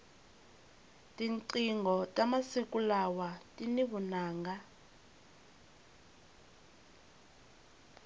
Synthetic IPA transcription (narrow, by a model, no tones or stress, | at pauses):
tʼiǀiŋɡʱɔtʼamasikulawatʼiniβunaːŋɡa